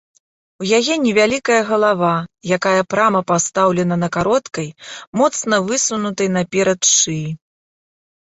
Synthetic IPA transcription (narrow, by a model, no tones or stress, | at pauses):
wjajɛnʲɛvʲalʲikɐjɐɣɐlˠavajakajɐpɾamɐpast̪awlʲɛn̪ɐnɐkaɾɔt̪kɐjmɔt̪snɐvɨsunut̪ɐjnɐpʲɛɾɐt̪ʂɨ